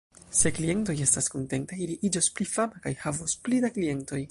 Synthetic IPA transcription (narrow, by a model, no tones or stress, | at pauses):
se̞klie̞nto̞je̞staskonte̞ntajiliʔid͡ʒosplifamakajhavosplidaklie̞nto̞j